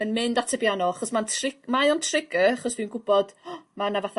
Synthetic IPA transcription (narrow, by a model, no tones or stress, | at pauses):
ənmɪndatʰəbjanɔaχɔsmantʰrɪ̥majɔntʰrɪɡəaχɔsviːwnɡʊbɔd̥manavaθa